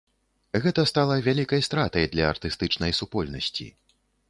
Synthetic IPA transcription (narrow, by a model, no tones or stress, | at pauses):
ɣɛt̪ɐst̪alˠɐvʲalʲikɐjst̪ɾat̪ɐjd̪lʲɐːrt̪ɨst̪ɨt͡ʂnɐjsupɔlʲnɐ̰sʲt͡sʲḭ